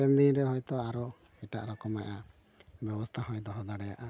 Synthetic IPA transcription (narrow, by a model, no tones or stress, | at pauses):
ɛnd̪iɾɛɦɔjt̪ɔaɾɔ | ɛʈa̰ʔɾɔkɔmajʔa | bjɛbɔst̪ʰaɦɔjd̪ɔɦɔd̪aɽɛjaʔa